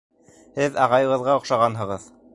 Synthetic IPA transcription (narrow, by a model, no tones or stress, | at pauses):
hɘðɑʁɑjɤ̆ʁɤ̆ðʁɑŏqʃɑʁɑnɦɤ̆ʁɤð